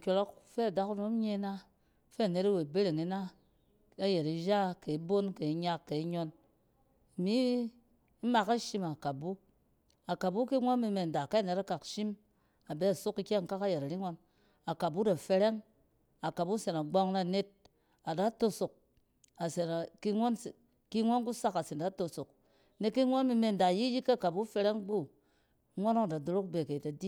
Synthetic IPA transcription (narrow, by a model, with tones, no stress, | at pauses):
kʲo˨lɔ˦kfe˦a˨da˦ku˦no˦m˦ɲe˧˦na˦ | fe˦a˨ne˨˦ɾa˦we˨be˦ɾe˨ŋi˦na˦ | a˦je˨ɾi˨ʒa˦ke˨i˦bo˦nke˨i˨˦ɲa˧kːe˨i˦ɲɔ˧n˨ | mi˦ | ma˧ka˦ʃi˦ma˨ka˨bu˦ | a˨ka˨bu˦ki˦ŋʷo˦nmi˧me˨n˨da˨ka˦˨ne˦ɾa˦ka˨kʃi˦m | a˨be˦a˨su˦ki˧kʲe˦˨ŋka˦ka˦je˨ɾa˨ɾi˦ŋo˧n | a˨ka˨bu˦da˨fe˧ɾe˦ŋ | a˨ka˨bu˦se˨na˨ɡ͡bo˧ŋna˨ne˦t̚ | a˨da˨˦to˧so˨k̚ | a˨se˨na˨ki˧ŋʷo˦n˨ | ki˦ŋʷo˦nku˦sa˦ka˨se˨nda˦to˧so˨k̚ | ne˨kːi˦ŋʷo˦nmi˧me˧˨n˨da˨ji˦ji˦kːa˦˨ka˨bu˦fe˧ɾe˦ŋbu˦ | ŋʷo˦no˦ŋ˨da˨do˨ɾo˦k̚be˨ke˨i˨ta˨di˦